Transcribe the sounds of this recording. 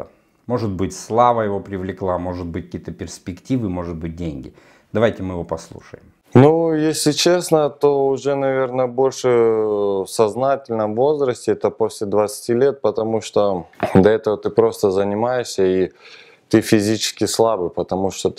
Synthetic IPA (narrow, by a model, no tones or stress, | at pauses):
mo̞ʐɨt̪bɨtʲslˠavəjɪvo̞pɾʲɪvlʲɪklˠamo̞ʐɨt̪̚bɨt̚ʲkkʲijət̪əpʲɪrspʲɪktʲivɨmo̞ʐɨt̪̚bɨt̚ʲdʲenʲɡʲɪ | d̪̥ɐvajtʲɪmɨjɪvo̞pɐslˠṵʂəjɪm | nujesʲlʲɪt͡ɕe̞snət̪o̞ʊʐɛnɐvʲe̞rnəəbo̞lʲʂɨ | fsɐznatʲɪlʲnəmvo̞zɾəsʲtʲɪɛt̪əposʲlʲɪd̪vət̪sɨ̥tʲilʲe̞t̪̚pət̪ɐmuʂt̪o̞d̪ɐɛt̪əvət̪ɨpɾo̞st̪əzənʲɪmajɪʂsʲəi | t̪ɨfʲɪzʲit͡ɕɪ̥skʲɪslˠabɨpət̪ɐmuʂt̪o